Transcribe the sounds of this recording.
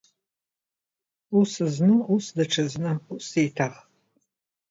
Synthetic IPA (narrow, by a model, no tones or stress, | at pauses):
usɨznuusdɐʈ͡ʂʰɐznɐusitʰaʁ